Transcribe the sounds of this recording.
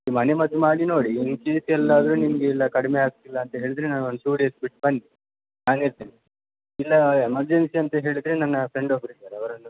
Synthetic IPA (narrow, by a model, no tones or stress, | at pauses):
imɐnemɐd̪umaːɽinoːɽinkiːt̪ɛlːaːd̪ɐɾuːnimɐɡeilːɐkɐɽimeaːɡ̚t̪ilːɐːnt̪ɐɦe̞ːɭid̪ɾenaːnond̪suːɽiɐspiʈbɐnːi | naːniɾt̪ini | ilːɐemɐɾd͡ʒensiɐnt̪ɐɦe̞ːɭid̪ɾenɐnːɐpɾe̞ɳɖobɾid̪aːɾɐʋɐɾɐnːu